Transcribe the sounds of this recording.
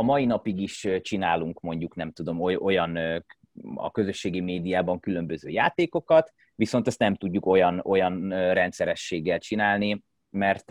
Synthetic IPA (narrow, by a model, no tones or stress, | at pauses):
ɒmɒinɒpiɡiʃt͡ʃinaːluŋkmo̞ɲɟuknɛmt̪ud̪o̞moo̞jɒn | ɒ̰kø̞zø̞ʃːeːɡimeːd̪ijaːbɒŋkylø̞mbøzø̰ːjaːt̪eːko̞kɒt̪ | ʋiso̞nt̪ɛst̪nɛmt̪uɟːuko̞jɒno̞jɒnrɛnt̪sɛɾɛʃːeːɡːɛlt͡ʃinaːlni | mɛrt̪